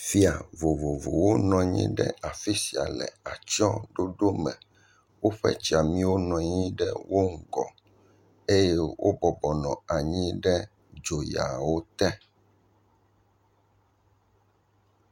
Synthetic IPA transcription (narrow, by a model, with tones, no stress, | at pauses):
fi˦a˨vo˨vo˨vo̰˨wo˦nɔ̃˨ɲḭ̃˦ɖɛ̰˦ʔa˨fi˦si˨a̰˨lɛ̰˨a˨t͡ʃɔ˦ɖo˦ɖo˦mɛ̰̃˨ | wo˦ɸɛ̰˦t͡ʃi˨a˨mĩ˦wo˦nɔ̃˨ɲĩ˦ɖɛ˦wo˦ŋ̩˨ɡɔ̰˨ | e˦jɛ˦wʔo̰˦bɔ˨bɔ˨nɔ̃˨a˨ɲĩ˦ɖɛ˦ | d͡ʒo˨ja̰˨wo˦t̪ɛ˦